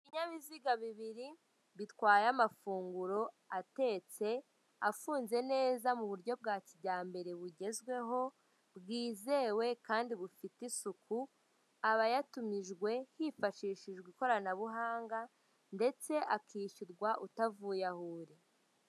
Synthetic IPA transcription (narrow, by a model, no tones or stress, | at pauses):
iβiɲaβiziɡaβiβiɾi | βitwaːjamafuːŋɡuɾo̞ | ate̞ːt͡se̞ | afuːnze̞ne̞ːzamuβuɾɟo̞b̚ɡaːciɟaːmbe̞ɾeβuɟe̞zɡwe̞ɦo̞ | bɡiːze̞ːwe̞kaːndiβufitisukʰu | aβajatumiʒɡwe̞hifaʃiːʃiʒɡwiko̞ɾanaβuɦaːŋɡa | nde̞t͡se̞ʔakʰiːʃuɾɡwaʔutavuːjahuːɾe